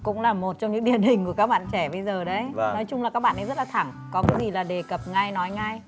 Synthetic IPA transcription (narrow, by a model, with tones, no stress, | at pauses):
kʊ̰˧˥ŋ͡mlaː˨˩mo˨˩t̚t͡ɕɔ˧ŋ͡mɲɨ̰˧˥ŋɗi˨˩ənɦï˨˩ŋ̟ku˧˩əkaː˦˥k̚ɓa̰ː˧˨nt͡ɕɛ˧˩ɓə˧jzəː˨˩ɗə˨˦jnɔ˨˦jt͡ɕʊ˧ŋ͡mlaː˨˩kaː˦˥k̚ɓa̰ː˧˨ʔjzə˦˥t̚laː˨t̪ʰa˧˩ŋ | kɔ˨˦kaː˨˦jzi˨˩laː˨˩ɗe˨˩kə˨˩p̚ŋa˧jnɔ˨˦jŋa˧j